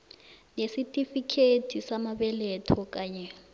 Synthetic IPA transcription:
nesitʼifikʰetʰisamabɛlɛtʰɔkʼaːɲɛ

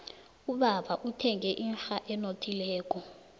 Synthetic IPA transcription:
uɓaɓaʔutʰɛŋɛʔinɬaʔɛnotʰilɛːk̬ʼɔ

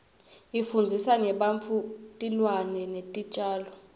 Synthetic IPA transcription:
ifund͡zʱisanɛɓaɱfʰutʼilwanɛnetʼit͡ʃʼaːlɔ

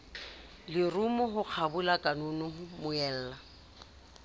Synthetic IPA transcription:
lɪrʊmʊɦʊk͡xʰabʊlakʼanʊnʊhʊmʊɛːl̩ːla

